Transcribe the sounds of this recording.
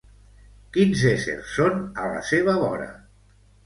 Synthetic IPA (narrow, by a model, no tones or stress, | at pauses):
kinzesḛɾsːonələ̰seβ̞aβɔɾə̰